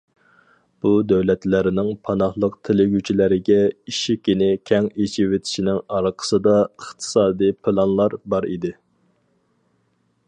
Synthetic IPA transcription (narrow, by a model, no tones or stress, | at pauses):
b̥ud̪æwlɛt̪læɾɪnɪŋpʰɑnɑhlˠəqt̪ʰelɪɡʲyt͡ʃʰilæɾɪɡʲɛiʃikʲinɪkʲʰɛŋet͡ʃʰiwet̪ʰɪ̥ʃinɪŋɑɾqʰə̥sɨd̪ɑəχt̪ʰɨ̥sɑːd̪ijpʰɨlˠɑnlˠɑɾbɑɾḭd̪ɪ